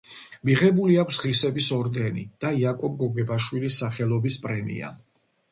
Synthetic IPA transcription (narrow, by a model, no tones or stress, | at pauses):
miʁɛbuliakʷʰsʁɾisɛbisɔɾd̪ɛnḭd̪̥aiakʼɔb̚ɡɔɡɛbaʃwilisːaχɛlˠɔbispʼɾɛmḭa̰